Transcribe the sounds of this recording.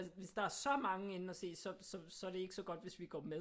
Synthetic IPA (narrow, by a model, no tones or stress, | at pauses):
sʋe̝sd̥ɑ̈æɐsɒ̽mɑ̈ŋəen̩ɒse̝̰ːsɒ̽sɒ̽sɒ̽æɐɾe̝e̝ɡ̥əsɒ̽ɡ̥ɒ̽d̥ʋe̝sʋiɡ̥ɒ̰ːme